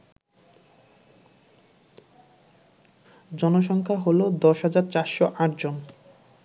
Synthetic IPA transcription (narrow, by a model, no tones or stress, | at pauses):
d͡ʑɔnoʃɔŋkʰaɦolod̪ɔʃɦad͡ʑaɾt͡ɕaɾʃoʔãʈd͡ʑon